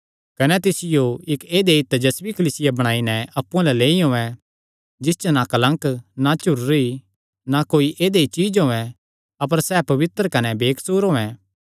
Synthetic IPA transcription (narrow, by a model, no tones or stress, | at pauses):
kɐnɛt̪ɪsɪjoɪkeːd̪eɪt̪ːd͡ʒɐsʋikɐliːsɪjabɐɽ̃aːinɛɐpːũãlɛleːiɦõːɛ̃ | d͡ʒɪst͡ʃnakɐlə̃ŋknat͡ʃʊɾːei | nakoːiʔeːd̪eit͡ʃiːd͡ʒɦoːɛ̃ | ɐpəɾsɛpɐʋɪt̪ɾəkɐnɛbeːkʰsuːɾɦoːɛ̃